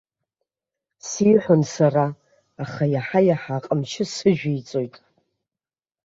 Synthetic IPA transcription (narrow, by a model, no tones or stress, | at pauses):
siːħʷʊnsaraː | χajaħajaħaqʼəmʃʰɪsɨʒᶣijt͡sʼo̞jtʼ